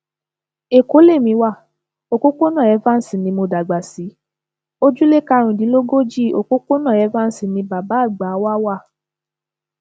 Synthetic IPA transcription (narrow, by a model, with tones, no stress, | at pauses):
e˨ko˨˦le˦˨mĩ˧wa˦˨ | o˨ko˦ko˦nã˦˨ɛ˨˧˦va˦n̩˦si˨nĩ˧mo˧da˨ɡ͡ba˨si˨˦ | o˦d͡ʒu˦le˦ka˧ɾ̃ũ˨di˨˦lo˦ɡo˦d͡ʒi˦˨o̰˨ko˦ko˦nã˦˨ɛ˨˧˦va˦n̩˦si˨nĩ˧ba˨ba˨˦˨ɡ͡ba˨˦wa˦wa˦˨